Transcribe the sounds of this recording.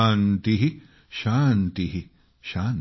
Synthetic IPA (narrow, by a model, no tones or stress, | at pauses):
nt̪iɦi | ʃaːnt̪iɦi | ʃaːn